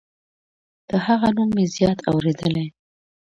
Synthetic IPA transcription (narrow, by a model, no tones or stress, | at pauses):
d̪̥əhaɣanumːezjɑt̪ʰa̰wɾed̪əlaj